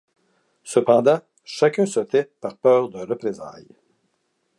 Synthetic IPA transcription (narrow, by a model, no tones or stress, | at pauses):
səpɑ̃d̪ɑ̃ | ʃakʲœ̃sət̪ɛpaʁpœːʁd̪ə̃ʁəpʁeza̰j